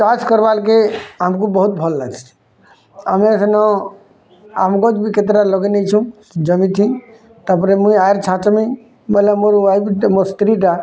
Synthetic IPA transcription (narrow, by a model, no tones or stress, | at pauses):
t͡ʃat͡ʃkəɾbalkeɦəmkubəɦut̪̚bʱəlːaɡt͡ʃʰ | əmesənɔ | amɡod͡ʒbʱiket̪̬ɾaloɡenet͡ʃʰũ | d͡ʒəmĩt̪ʰĩ | t̪əpɾemũiajɾt͡ʃʰãt͡ʃmi | bəlemoɾajbimoɾst̪ɾiʈa